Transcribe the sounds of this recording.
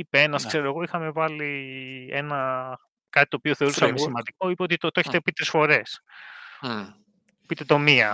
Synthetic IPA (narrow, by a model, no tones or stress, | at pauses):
ipeenɐskse̞ɾo̞e̞ɣo̞ixɐme̞vɐlie̞̰nɐ | kɐt̪it̪opio̞θe̞ɾit̪onɐmesimɐd̪iko̞ipeot̪it̪ot̪oeçet̪pit̪ɾisfo̞ɾe̞s | pit̪e̞t̪o̞miɐ